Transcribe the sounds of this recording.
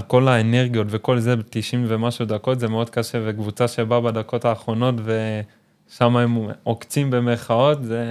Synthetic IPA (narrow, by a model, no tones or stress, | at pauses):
ko̞laene̞ʁɡijo̞tve̞ko̞lze̞betiʃimvemaʃud̪ako̞tzemeo̞d̪̚kaʃevekvut͡saʃebabad̪ako̞taːχʁo̞no̞tve̞ | ʃamaemokt͡simbe̞meχao̞tze